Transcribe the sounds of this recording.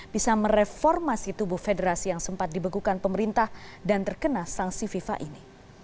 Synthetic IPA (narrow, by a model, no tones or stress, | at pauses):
b̥isaməɾefɔrmasit̪ubʊhfedəɾasijaŋsəmpat̪̚dibaɡukanpəməɾint̪ahdant̪ərkənasaŋsififa̰ʔini